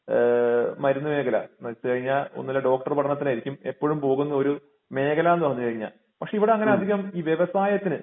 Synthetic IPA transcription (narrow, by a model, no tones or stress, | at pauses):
mɐɾunːɐme̞ːɡɐla̰nɐt͡ɕːɨkɐɻiɲːaːlo̰nːilːɐɖo̞ːk̚ʈɐrpɐʈɐɳɐt̪ːinaːjiɾikʲːume̞pːoːɻumpo̞ːɣunːɐo̞ɾu | me̞ːkɐlaːnːoːnːɨkɐɻiɲːa̰l | pɐkʂe̞iʋiɽeɐŋːɐneɐd̪ʱiɣɐmiːʋjeʋɐsaːjɐt̪ːinɨ